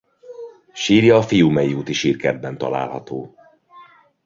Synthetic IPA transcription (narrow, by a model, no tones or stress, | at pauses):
ʃiːrjɒːfijuːmɛjiuːt̪iʃiːrkɛd̪̚bɛnt̪ɒ̰la̰ːlhɒ̰t̪oː